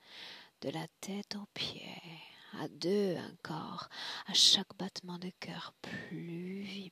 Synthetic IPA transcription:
d̪̥əlat̪ʰɛt̪ɑ̃pjḛa̰d̪øɑ̰̃kʰɔ̰ʁaʃakbat̪mɑ̃d̪əkʲʰœʁplyvi

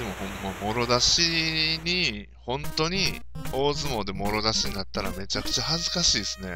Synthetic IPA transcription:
d̪emo̞hõ̞mːomo̞ɾo̞d̪aɕiɲi | hõ̞nt̪o̞ɲ̟i | o̞ːzɨmo̞ːd̪e̞mo̞ɾo̞d̪aɕiɲ̟inat̪ːaɾa̰me̞t͡ɕakɯ̟̥t͡ɕahazɨkaɕiːsɨne̞̰

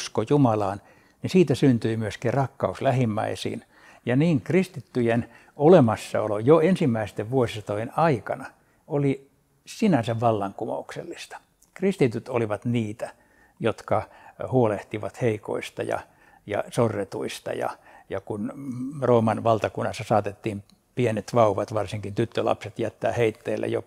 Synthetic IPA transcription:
skojumɑlɑːn | nisiːt̪æsynt̪yimyøskirrɑkːɑuslæhimːæ̰isḭːn | jɑniːŋkrist̪it̪ːyjen | olemɑsːɑ̰olojoensimːæist̪eʋʋuosisɑt̪oenɑikɑnɑ | oli | sinæsæʋʋɑlːɑŋkumo̰uksḛlːist̪ɑ̥ | krist̪it̪yt̪oliʋɑt̪niːt̪æ | jot̪kɑhuoleht̪iʋɑt̪heiko̰ist̪ɑ̰jɑ̰ | jɑ̰sorːet̪uist̪ɑ̰jɑ̰jɑkunroːmɑnʋɑlt̪ɑkunːɑsːɑsɑːt̪et̪ːiːm | pienet̪ʋɑuʋɑt̪ʋɑrsiŋkint̪yt̪ːølɑ̰pset̪jæt̪ːæ̰ːheit̪ːḛːlːḛjo̰

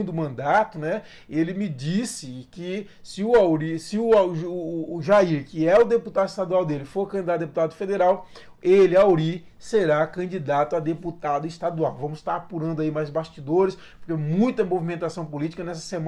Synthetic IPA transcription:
d̪ʊmɐ̃nd̪at̪ʊnɛ | elɪmɪd͡ʒisɪkɪ | sɪʊawɾisɪʊaː | ʒaiɾkɪɛʊd̪eput̪ad̪ʊist̪ad̪uawd̪elɪfoɾkɐ̃d͡ʒid̪ad̪d̪eput̪ad̪ʊfed̪eɾaw | elɪawɾi | seɾakɐ̃d͡ʒid̪at̪ʊad̪eput̪ad̪ʊist̪ad̪uawvɐ̃mʊst̪aɾapuɾɐ̃nd̪ʊaimajzbaʃt͡ʃid̪oɾɪs | poɾkemũj̃t̪ɐ̃movimẽnt̪asɐ̃w̃polit͡ʃi̥kɐnɛsɐ̥sem

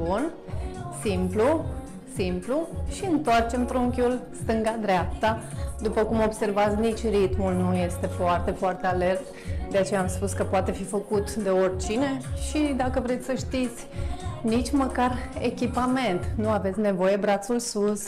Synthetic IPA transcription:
bun | simplu | simpluʃiɨnt̪oart͡ʃe̞mt̪ɾuŋkʲulst̪ɨŋɡad̪ɾeap̚t̪ad̪upəkumo̞bse̞rvat̪sʲnit͡ʃʲrit̪mulnuje̞st̪e̞foart̪e̞foart̪e̞ale̞rt̪ | d̪e̞at͡ʃe̞jaːmspuskəpoat̪e̞fifəkut̪d̪e̞orʲt͡ʃineʃid̪akəvɾe̞t̪sʲsəʃt̪it̪sʲnit͡ʃʲməkare̞̰kʲipame̞nt̪nuave̞t̪sʲne̞vo̞je̞bɾat̪sulsus

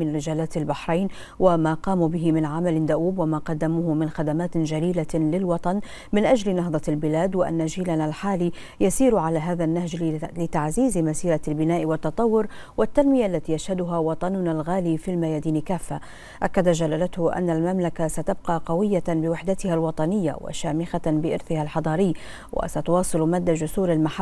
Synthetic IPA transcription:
ɪnɾɪʒaːlaːt̪albaħɾˤajn | wamaːqɑːmubɪɦɪmɪnʕamalɪnd̪aʔuːbwamaːqɑd̪ːamuːɦʊmɪnxad̪amaːt̪d͡ʒaliːlalɪlwɑt̪ˤɑn | mɪnʔad͡ʒlnɑɦd̪ˤɑlbɪlaːd̪waʔa̰nːaʒiːlanalħaːliː | jasiːɾʕalaɦaːðanːahd͡ʒlɪt̪aʕziːzɪmasiːɾɑlbɪnaːʔɪwɑt̪ːɑt̪ˤɑwːʊɾwʔat̪ːanmɪjaʔalːat̪iːjaʃhad̪ʊɦawɑt̪ˤɑnʊnalɣaːliːfilmajaːd̪iːnɪkaːfːa | ʔakːad̪aʒalːaːlat̪hʊʔa̰nːalmamlakasat̪ab̚qɑːqɑwɪjːabɪwɪħd̪at̪ɪhalwɑt̪ˤɑnɪjːa̰wa̰ʃaːmɪxabɪʔɪ̰ɾθɪhalħɑd̪ˤɑːɾɪjː | wa̰sat̪ʊwɑːsˤɨlmaːd̪ːad͡ʒʊsuːɾalmaħa

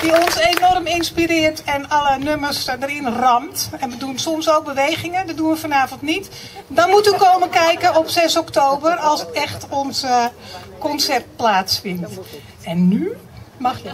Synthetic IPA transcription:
d̥iɔnsenɔrmɪnspiɾɪərtɛnalənøməsdəɾɪnrɑmtɛnʋədunsɔmsoːk̚bəʋejɣɪŋədɔdunʋəfɔnaːvəntnit | dɔnmutykoːməkɛjkənɔpsɛsɔktoːbərɑlˠsɛxtɔns | kɔnsɛrt̚plaːsfɪnt | ɛnːy | mɑ

